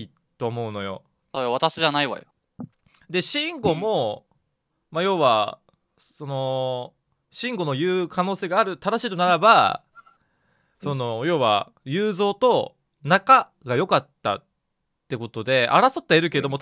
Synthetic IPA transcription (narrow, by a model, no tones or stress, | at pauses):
i | t̪o̞ːmo̞ɯ̟no̞jo̞̰ | soːjβat̪aɕiʑanaiβa̰jo̰ | d̪e̞ɕĩŋɡo̞mo̞ | majo̞ːβa | so̞no̞ | ɕĩŋɡo̞nojɯːkʰano̞ːse̞ːɡaːɾɯ̟t̪ad̪aɕiːt̪onaɾaba | so̞no̞jo̞ːβa̰ | jɯːzo̞ːt̪o̞ | naka | ɡajo̞kat̪ːa̰ | t̪ːe̞ko̞t̪o̞d̪e̞a̰ɾaso̞t̪ːaeɾɯ̟k̬e̞d̪o̞mo̞